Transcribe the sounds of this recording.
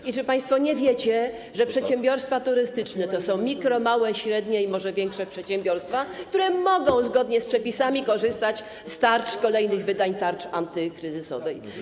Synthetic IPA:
it͡ʂɘpaj̃st̪fɔɲɛvʲjɛt͡ɕɛ | ʐɛpʂɛt̪ɕɛmbʲjɔɾst̪fat̪uɾɘst̪ɘt͡ʂnɛt̪ɔsɔ̃w̃mʲikɾɔmawɛɕɾɛd̪ɲɛimɔʐɛvʲjɛŋkʂɛpʂɛt̪ɕɛmbʲjɔɾst̪fakt̪uɾɛmɔɡɔ̃w̃zɡɔd̪ɲɛspʂɛpʲisamʲikɔʐɘst̪at͡ɕ | st̪aɾt͡ʂkɔlɛjnɘɣvɘd̪aɲt̪aɾt͡ʂant̪ɘkɾɘzɘsɔ̰vɛj

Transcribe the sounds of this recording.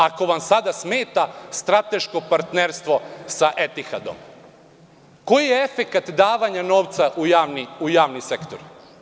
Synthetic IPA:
ako̞ʋamsad̪asmeːt̪ast̪ɾat̪e̞ʃko̞paɾt̪neɾst̪ʋo̞saʔe̞t̪ixa̰d̪o̞̰m | ko̞jijeefe̞kat̪d̪aːʋaɲano̞ːʋt̪saʔujaʋniujaːʋnise̞kt̪oɾ

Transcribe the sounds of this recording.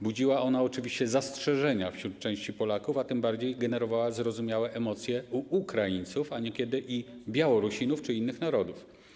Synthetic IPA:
bud͡ʑiwaɔnaɔt͡ʂɘvʲiɕt͡ɕɛzastʂɛʐɛɲafɕɾut̪̚t͡ʂɛ̃w̃ɕt͡ɕipɔlakufat̪ɘmbaɾd͡ʑejɡɛnɛɾɔvawazɾɔzumʲjawɛʔɛmɔt̪sʲjɛuʔukɾajint̪sufaɲɛkʲɛd̪ɘʔibʲjawɔɾuɕinuft͡ʂɘinːɘxnaɾɔd̪uf

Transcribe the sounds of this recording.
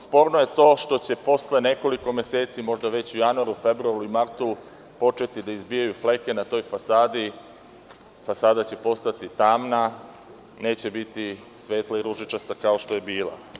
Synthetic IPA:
spo̞ːɾnoje̞t̪o̞ːʃt̪o̞t͡ɕe̞po̞sle̞ne̞ko̞liko̞mje̞se̞ːt̪simo̞ʒd̪aʋe̞t͡ɕujanuaɾufe̞bɾuaɾuimaɾt̪u | po̞t͡ʃe̞t̪id̪aizbijajufle̞ke̞nat̪o̞ːjfasaːd̪i | fasaːd̪at͡ɕe̞po̞st̪at̪it̪aːmna | ne̞ːt͡ɕe̞bit̪i | sʋe̞ːt̪laiɾuʒit͡ʃast̪akao̞ʃt̪o̞je̞biːlˠa̰

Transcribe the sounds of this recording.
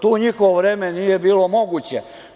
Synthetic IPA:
t̪uːɲixoʋoʋɾeːme̞nije̞biːlomo̞ɡut͡ɕe

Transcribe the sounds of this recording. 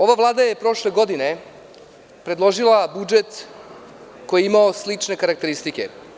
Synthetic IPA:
o̞ʋaʋlˠaːd̪ajepɾo̞ʂle̞ɡo̞d̪ine̞ | pɾe̞d̪lˠo̞ʐilˠabud͡ʒet̪ | ko̞jeimaoslit͡ʂne̞kaɾakt̪e̞ɾist̪ike̞̰

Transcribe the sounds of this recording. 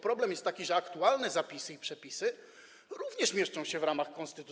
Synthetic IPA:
pɾɔblɛmjɛst̪ːakʲiʐɛakt̪ualnɛzapʲisɘipʂɛpʲisɘ | ɾuvɲɛʂmʲjɛʂt͡ʂɔ̃w̃ɕɛvɾamaxkɔnst̪ɘt̪u

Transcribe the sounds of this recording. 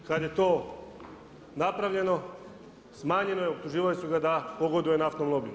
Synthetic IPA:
kad̪je̞t̪oː | napɾaʋʎe̞no | smaːɲe̞nojeop̚t̪uʒiːʋalisuɡad̪apoɡod̪ujenaaft̪omlˠobi

